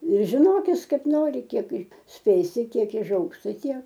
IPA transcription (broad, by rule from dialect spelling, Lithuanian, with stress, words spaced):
ɪr ʒʲɪˈnoːkʲɪs ˈkɐɪp ˈnoːrʲɪ ˈkʲiɛk ˈsʲpʲeːsʲɪ ˈtʲiɛk ɪˈʒɐʊks ˈtɐɪ ˈtʲiɛk